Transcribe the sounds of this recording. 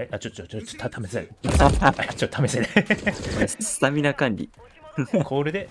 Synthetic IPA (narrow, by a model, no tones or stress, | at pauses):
ajʔat͡ɕot̪ːooot̪ʰameseɾ | t͡ɕot̪ːot̪ameseɾe | st̪amʲinakãnɾʲḭ | kʰoːɾɯd̪e